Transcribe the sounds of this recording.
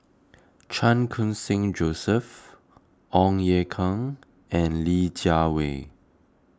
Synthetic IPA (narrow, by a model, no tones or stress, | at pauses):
t͡ʃʰãnkʰũnsɪ̃ŋd͡ʒosəf | ʔɔ̃ŋjɛkʰãŋ | ɛ̃nlid͡ʒawḛ